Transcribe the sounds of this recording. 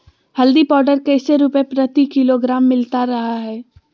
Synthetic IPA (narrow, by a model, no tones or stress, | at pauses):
hɐld̪ipɔːɾɖəɾkeːseɾuːpẽpɾət̪ikɪloɡɾaːmːɪlt̪aɾɐɦaɦɛː